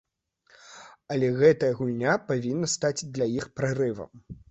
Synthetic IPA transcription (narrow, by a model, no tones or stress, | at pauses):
ɐlʲɛɣɛt̪ɐjɐɣulʲnʲapavʲinːɐst̪at͡sʲd̪lʲajixpɾarɨvɐ̰m